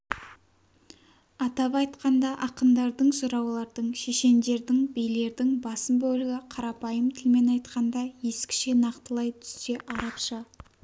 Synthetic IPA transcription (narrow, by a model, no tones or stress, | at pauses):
ɑt̪ɑpɑjt̪qɑnd̪ɑʔɑqənd̪ɑɾd̪əɴʒʊɾɑwlˠɑɾd̪əɴʃe̞ʃe̞nd̪e̞ɾd̪ɪŋbejle̞ɾd̪ɪŋbɑsəmbɵlɪɡʲɪqʰɑɾɑpɑjəmt̪ʰɪlme̞nɑjt̪qɑnd̪ɑje̞skʲɪ̥ʃenɑqt̪əlˠɑjt̪ʰʏ̥st̪e̞ʔɑɾɑpʃə